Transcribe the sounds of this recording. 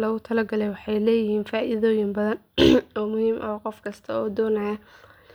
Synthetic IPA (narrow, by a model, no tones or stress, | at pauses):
lɐɣʊt̪ʰɐlɐɡɐlɛjwɑħɑjlɛːjɪhiːnfaːʔiðɔːjɪmbɐðɐn | ɔːmʊhiːmʔɐɦɔqɔfkʰɐst̪ʰɐɔːd̪ɔːnɐjɐ